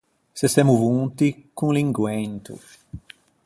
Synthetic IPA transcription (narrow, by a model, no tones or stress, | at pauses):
sesɛmuvunt̪ikuŋliŋɡwɛnt̪ṵ